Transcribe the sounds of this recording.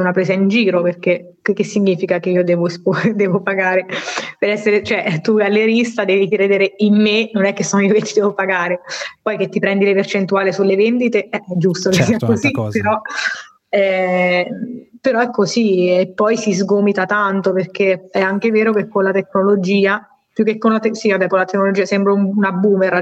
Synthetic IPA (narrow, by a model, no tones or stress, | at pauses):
unapɾeːsaind͡ʒiːɾoperk̟e | kek̟ːesːiɲːiːfikakeiːod̪ɛːvoespod̪ɛːvopaɡaːɾepeɾɛsːeɾet͡ʃoɛʔt̪ualːeɾist̪ad̪ɛːvikiɾeːd̪eːɾeimːenonɛkːesːoːnoioket̪ːid̪ɛvopaɡaːɾepɔjk̟et̪ːipɾɛnd̪ilepert͡ʃent̪uaːlisulːevend̪it̪eɛɛd͡ʒust̪okesiakːozipeɾɔ | ɛ | peɾɔɛkːosiepːɔjsizɡomit̪at̪ant̪operk̟eɛaŋk̟eveːɾokekːonlat̪ekːnolod͡ʒiːa | pjukːekːonlat̪esiabɛkːolat̪ekːnolod͡ʒiːasɛmbɾaumunabːuːmeɾa